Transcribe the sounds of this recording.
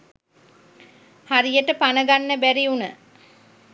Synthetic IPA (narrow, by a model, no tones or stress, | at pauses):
haɾijəʈəpanəɡanːəbæɾiunə